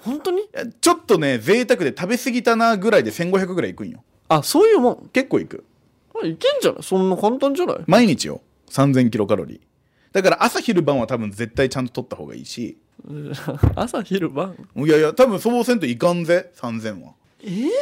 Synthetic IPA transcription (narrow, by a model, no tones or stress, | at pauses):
hõnt̪oɲ̟ijat͡ɕo̞t̪ːo̞ne̞ze̞ːt̪akɯ̟d̪e̞t̪abe̞sɨɡʲit̪anaɡɯ̟ɾaid̪e̞sẽ̞ŋɡo̞çʲjak̬ɯ̟ɡɯɾaikɯ̟̃ɰ̃jo̰ | asoːjɯ̟ːmõŋke̞kːoːikɯ̟̰ | aikẽɲ̟d͡ʑana̰isõnːakãnt̪ãɲd͡ʑana̰ḭmaiɲ̟it͡ɕḭjo̰ | sãnzẽŋkʲiɾo̞kaɾo̞̰ɾʲḭ | d̪̥akaɾaʔasaçiɾɯ̟bãɰ̃βat̪abɯ̟̃nd͡ze̞t̪ːait͡ɕãnt̪o̞t̪o̞t̪ːaho̞̰ːɡa̰ḭːɕḭ | a̰saçiɾɯbãŋojajat̪abɯ̟̃soːbosent̪o̞ikãnze̞sãnzẽ̞ɰ̃βa̰ | e